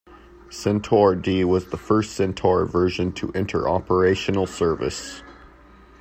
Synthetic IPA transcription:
sɛ̃ntʰɔɹdiwʌzðəfɜ˞stsɛ̃ntʰɔɹvɜ˞ʒɨ̃ntʰəʔɪ̃ntʰə̰˞ʔɑpə˞eɪʃɨn̩l̩ˠsɜ˞vɨ̰s

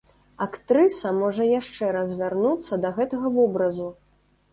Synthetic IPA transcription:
akt̪ɾɨsɐmɔʐɐjaʂt͡ʂɛɾɐzʲvʲarnut̪sːɐd̪ɐɣɛt̪ɐɣɐvɔbɾɐzu

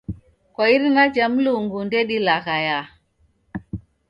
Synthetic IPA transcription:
kaiɾnad͡ʒamluŋɡundeɗilaɣaja

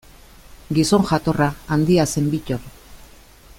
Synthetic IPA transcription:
ɡiso̞ŋʝat̪o̞raːnd̪iase̞mbico̞ɾ

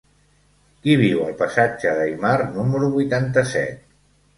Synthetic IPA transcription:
kiβ̞iwəlˠpəsad͡ʒəðəimarnuməɾuβujt̪ant̪əsɛ̰t̪̚

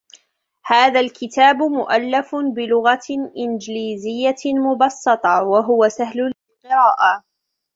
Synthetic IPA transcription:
haːðalkɪt̪aːbmʊʔalːafbɪlʊɣaʔɪnd͡ʒɪliːzɪjːamʊbɑsˤːɨt̪ˤɑwaɦʊwasahlʊlɪlqɨɪɾaːʔa

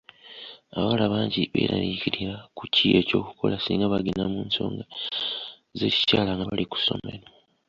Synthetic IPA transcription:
aβawalaβaːɲɟiβe̞̰ːɾa̰niciɾiɾakucie̞co̞ːku̥kʰo̞lasiŋɡaβaɡinamuːnso̞̰ːŋɡa | ze̞ci̥caːlaŋɡaβaliku̥so̞̰me̞ɾo

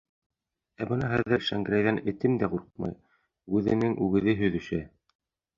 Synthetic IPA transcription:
æbɤnɑɦæððːɘɾʃæŋɡɾʲæjðænɘ̆t̪ɘmd̪æquɾq̚mɑ̰j | ʉðɘ̰̆nɘŋʔʉɡɘ̆ðɘɦɵ̆ðɵ̆ʃæ

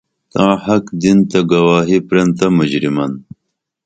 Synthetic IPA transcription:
t̪ãːhɐkd̪int̪ɐɡɐwaːɦipɾent̪ɐmud͡ʑɾimɐn

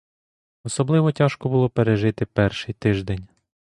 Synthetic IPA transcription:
ɔsɔblˠɪʋɔtʲɑʃkɔbʊlˠɔpeɾeʒɪt̪ɪpɛrʃɪjt̪ɪʒd̪enʲ

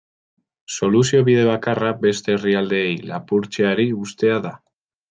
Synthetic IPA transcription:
so̞lusio̞βiðe̞β̞akarabe̞st̪e̞ːriald̪e̞ejlapuɾt͡ʃe̞aɾiust̪e̞aða

